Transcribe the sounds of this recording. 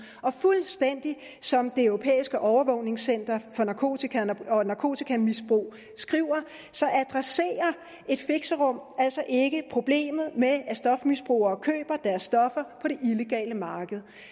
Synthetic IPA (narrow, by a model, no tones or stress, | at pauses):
ɒ̽fulsd̥en̰d̥i | sɒ̽md̥e̝øʊʁo̝pʰḛːisɡ̥əʔɒʊɐʋɔ̽ʊ̰ne̝ŋsen̰d̥ɐfɒ̽nɑ̈kʰo̝̰t͡sʰikʰæɒ̽nɑ̈kʰo̝̰ːt͡sʰikʰæmisb̥ʁṵː | sɡ̥ʁiʊ̰ɐ | sɒ̽ʔæd̥ʁase̝̰ːɐ | e̝d̥fe̝ɡ̥səʁɔ̽m̰æl̰sɒ̽ʔe̝ɡ̥əpʰʁo̝b̥le̝̰ːmð̞̩ˠmeæsd̥ɒ̽fmisb̥ʁṵːɐɒkʰø̰ːb̥ɐd̥æɐsːd̥ɒ̽fɐpʰɒ̽ɾ̥e̝ʔile̝ɡ̥ɛ̰ːləmɑ̈ːɡ̥əð̞̩ˠ